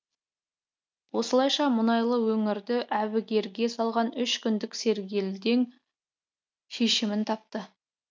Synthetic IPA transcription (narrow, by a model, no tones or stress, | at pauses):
wo̞səlˠɑjʃɑmʊnɑjlˠəwɵŋɪɾd̪ɪʔæβɪɡʲe̞ɾɡʲe̞sɑlˠʁɑnʏʃkʲʏnd̪ɪkse̞ɾɡʲe̞ld̪e̞ŋ | ʃe̞ʃɪmɪnt̪ʰɑp̚t̪ə